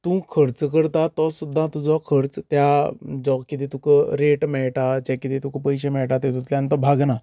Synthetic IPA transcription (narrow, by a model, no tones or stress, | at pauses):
t̪ũkʰəɾt͡skəɾt̪at̪ɔsud̪ʱːãt̪ud͡zɔkʰəɾt͡st̪jad͡zɔkkːit̪et̪ukəɾeʈmɛɭʈad͡ʑakit̪et̪ũkəpəjɕemɛɭʈat̪et̪ũt̪lʲjãnt̪ɔbʱaɡna